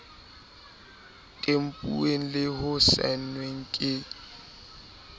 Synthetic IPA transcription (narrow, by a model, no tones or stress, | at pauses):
tʼem̩pʼṵeŋ̩lɪhʊsɛ̰n̩nweŋ̩kʼɪ